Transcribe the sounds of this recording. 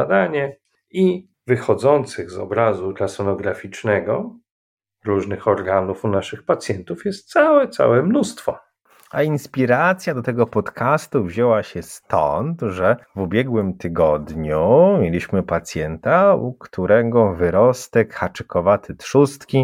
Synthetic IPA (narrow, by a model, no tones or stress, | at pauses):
ad̪aɲɛ | i | vɘxɔd̪zɔnt̪sɘɣzɔ̰bɾazuɾasɔnɔɡɾafʲit͡ʂnɛɡɔ | ɾuʐnɘxɔɾɡanufunaʂɘxpat̪sʲjɛnt̪ufjɛst̪̚t̪sawɛt̪sa̰wɛmnust̪fɔ | ainspʲiɾat̪sʲjad̪ɔt̪ɛɡɔpɔt̪kʰast̪uvʑewaɕɛst̪ɔ̰nt̪ʐɛvubʲjɛɡwɘmt̪ɘɡɔd̪ɲumʲjelʲiɕmɘpat̪sʲjɛnt̪aukt̪ʰuɾɛɡɔvɘɾɔst̪ɛkxat͡ʂɛkɔvat̪ɘt̪ʂust̪kʲi